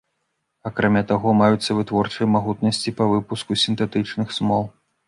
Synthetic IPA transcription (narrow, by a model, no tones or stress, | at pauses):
akɾamʲat̪aɣɔmajut̪sːɐvɨt̪vɔrt͡ʂɐjmaɣut̪nɐsʲt͡sʲipɐvɨpuskusʲint̪ɛt̪ɨt͡ʂnɨxsmɔlˠ